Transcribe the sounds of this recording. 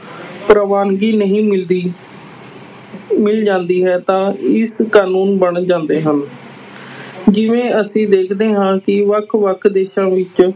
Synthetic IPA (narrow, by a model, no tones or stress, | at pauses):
pɾəʋaːnɡiːnəɦĩː | mɪld͡ʒãːnd̪iːɦɛːt̪ãːɪskaːnuːnbəɳd͡ʒãːnd̪eːɦən | d͡ʒɪʋẽːəsĩːd̪eːkʰd̪eːɦãːkɪʋəkʰʋəkʰd̪eːʃãːʋɪt͡ʃ